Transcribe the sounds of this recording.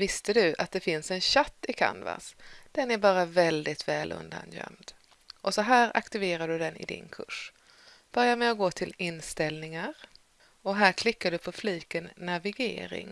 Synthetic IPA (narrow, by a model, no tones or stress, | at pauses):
vɪst̪əd̪ɵat̪̚d̪ɛfɪnsɛnɕat̪ːɪkʰa̰nva̰sd̪̥ɛnæɾbɑːɾavɛld̪ɪt̪vɛːlɵ̰nd̪a̰njœ̰md̪ | ʔɔsɔɦæːɾa̰kt̪ɪveːɾad̪ɵd̪ɛnɪ̰d̪ɪ̰nkʰɵ̰ʂ | b̥œɾjamɛɔɡoːt̪ʰɪlɪnst̪ɛlnɪŋaɾ | ɔɦæːɾkʰlɪkːad̪ɵpʰɔfliːkənːavɪɡḛːɾɪ̰ŋ